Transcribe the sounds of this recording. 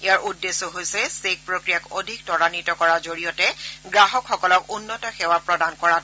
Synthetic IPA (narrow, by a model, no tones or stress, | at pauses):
ejaɹʔudːesːɔɦojsɛsek̚pɹokɹijakodʱik̚tɔɹanitɔkɔɹazoɹijɔtɛɡɹaɦɔkxɔkɔlɔkunːɔtɔxɛwapɹɔdankɔɹat